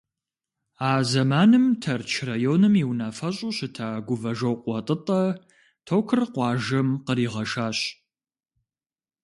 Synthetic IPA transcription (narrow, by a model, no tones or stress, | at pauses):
aːzɐmaːnɨmtʰɐrt͡ʃʰrajoːnɨmiwnaːfɐɕʼʊɕɪtʰaːɡʷʊvɐʒɐwqʷɔtʼɨtʼɐ | tʰoːkʰɨrqʷɑːʒɐmqəɾiːʁɐʃaːɕ